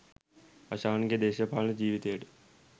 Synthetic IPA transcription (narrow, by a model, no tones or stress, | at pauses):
ɐʃaːnɡed̪eːɕɐpaːləd͡ʑiːʋit̪ejəʈə̥